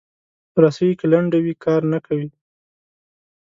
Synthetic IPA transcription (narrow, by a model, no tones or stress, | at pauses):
ɾasajikɪlaɳɖawikʰɑɾnakawi